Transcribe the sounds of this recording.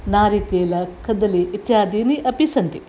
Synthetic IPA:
naːɾikeːlɐkʰɐd̪ɐliit̪jaːd̪ʱiːniʔɐpisɐnt̪i

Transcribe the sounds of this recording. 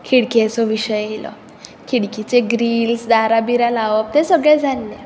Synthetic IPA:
kʰiɽkiəsɔʋiɕəjelɔ̰ | kʰiɽkit͡seɡɾiːlsd̪aɾabiɾalaʋəp̚t̪esəɡɭɛd͡zʱanːe

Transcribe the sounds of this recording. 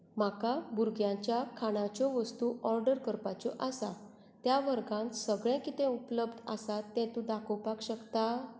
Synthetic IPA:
m̤akabuɾɡjãt͡ɕjakʰaɽ̃ãt͡ɕɔʋəst̪uːɔɾɖəɾkəɾpat͡ɕɔʔasa | t̪jaʋəɾɡãnt̪səɡɭɛ̃kit̪ɛ̃upləbd̪a̰sat̪ːɛ̃t̪ũd̪akʰɔwpakɕəkt̪a

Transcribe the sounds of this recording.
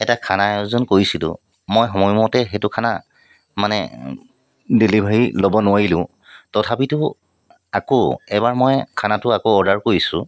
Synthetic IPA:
ɛtakʰanaɛzɔnkoɹisilʊ̰̃ | mojxɔmɔjmɔtɛxetʊkʰana̰ | manɛ̰ | dilibʱaɹilobɔnʊwaɹilʊ̃ | tɔtʰapitʊ | akoɛbaɹmɔjkʰanatʊakoɔdaɹkoɹisʊ̰̃

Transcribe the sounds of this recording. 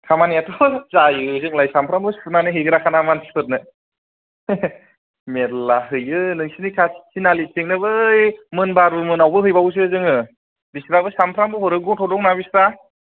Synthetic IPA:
kʰamanijatʰɔzajɯzɯŋlajsampʰɾambɯspʰɯnanɯɦɯjɡɯɾakʰanamanpʰipʰɯt̚nɯ | meɾlaɦɯjɯnɯŋsinikʰasi̥sinalitʰeŋnɯbɯjmɯnbaɾɯmɯnawbɯɦɯjbawus̬ɯzɯŋɯ | bisɾabɯsampʰɾambɯhɔɾɯɡɔtʰɔdɔŋ̚nabisɾa

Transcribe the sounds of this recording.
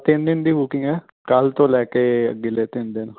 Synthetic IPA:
t̪ɪnd̪ɪnd̪iːbʊkɪ̃ŋɡɛː | kəlt̪õːlɛːkeːə̰ɡːɪleːt̪ɪnd̪ɪn

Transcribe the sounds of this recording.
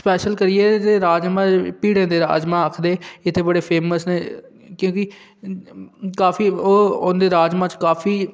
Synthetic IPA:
spɛːʃəlkəɾieːd̪eːɾaːd͡ʒmãːpiːɽẽːd̪eːɾa̰ːd͡ʒmãːəkʰd̪eːɪt̪ʰːeːbəɽeːpʰeːməsneː | kjõːkɪ | kaːfiːoːod̪eːɾaːd͡ʒmãːt͡ʃkaːfiː

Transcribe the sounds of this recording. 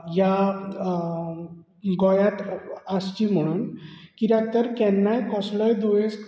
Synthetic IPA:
ja | ɡɔjat̪ast͡ɕim̤əɽ̃unkiɾat̪əɾkɛnːajkɔslʌjd̪ojes

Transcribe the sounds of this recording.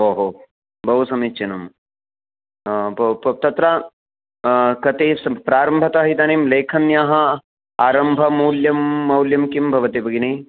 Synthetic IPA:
oːɦo | bʱɐɦusɐmit͡ʃɐnɐm | bɐpɐt̪ɐt̪ɾa | kɐt̪eːsɐpɾaːɾɐmbʱɐt̪ɐɦit̪aːneːmleːkʰɐnjaːɦɐ | aːɾɐmbʱɐmuːljɐmːɐwljɐmkimbʱɐʋɐt̪ebʱɐɡini

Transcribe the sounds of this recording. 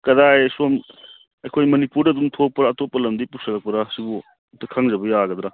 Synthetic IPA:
kɐdajsom | ɐjkʰojmɐnipuɾɐdumtʰopːɐɾaːtopːɐlɐmdipusɐlɐk̚pɐɾasibu | tɐkʰaŋzɐbɐjaɡɐd̪ɾa

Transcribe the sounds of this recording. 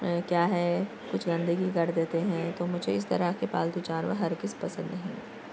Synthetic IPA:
kjaːɦɛ | kʊt͡ʃʰɡɐ̃nd̪əɡikɐɾd̪eːt̪eɦɛ̃t̪oːmʊd͡ʒʱeɪs̬t̪ɐɾəɦkepa̰ːld̪ut͡ʃaːnʋa̰ɦɐɾɡɪspɐsə̃nd̪nɐɦĩː

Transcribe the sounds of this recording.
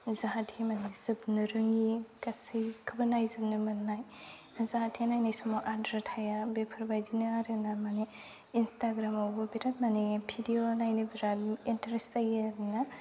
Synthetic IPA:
zaɦatʰemanizɯbnɯɾɯŋikasɯjkʰɯbɯnajzɯb̚nɯmɯnnaj | zaɦadʰenajnajsɔmɔʔadɾatʰajabepʰɯɾbajdinɯaɾɯnamane | instaɡɾamawbɯbiɾat̚manebʰidionajnibiɾalintɐɾestajɾɯna

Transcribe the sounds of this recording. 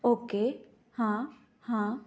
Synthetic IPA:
oːke | hã | hã

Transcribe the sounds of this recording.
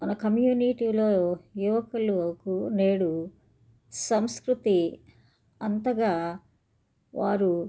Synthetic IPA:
mɐnɐkɐmjuːniʈiloːjuʋɐkɐlukuneːɽu | sɐmskɾut̪i | ɐnt̪ɐɡaː | ʋaːɾu

